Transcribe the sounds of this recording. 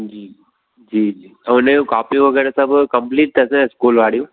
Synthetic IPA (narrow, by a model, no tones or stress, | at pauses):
d͡ʒiː | d͡ʒiːd͡ʒiːɐʊnẽũkaːpĩʋɐɡɛːɾesɐbkɐmpliːʈ̪̚ːɐsẽskuːlʋaːɽijũː